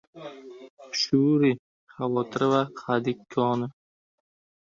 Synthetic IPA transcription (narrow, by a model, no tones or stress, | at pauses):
ʃuɾi | χavɒːt̪ʰɪɾɪvaqʰad̪ɪkʲʰːɒːnɪ